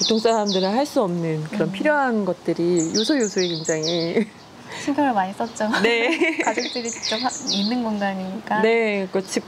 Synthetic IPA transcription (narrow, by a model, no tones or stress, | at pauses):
putʰoŋs͈aɾamdɯɾɯɭɦaɭs͈uʌmnɯnkɯɾʌnpʰiɾjoɦanɡʌt̚t͈ɯɾijosʰʌjosʰuekeŋd͡ʑaŋi | t͡ɕʰiŋɡʰʌɾomaɲis͈ʌt̚t͡ɕ͈one̞kad͡ʑok̚t͈ɯɾit͡ɕi̥k̚t͡ɕ͈ʌphaminːɯnɡʌnɡaːɲiɲik͈ane̞kʌt͡ɕʰip